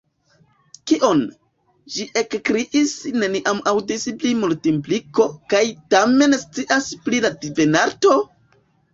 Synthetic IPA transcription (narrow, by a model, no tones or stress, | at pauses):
kiʔo̞n | d͡ʒiʔe̞kkɾiʔisne̞niʔamawdisiplimultimpliko̞kajtame̞nst͡siʔaspliladive̞naɾto̞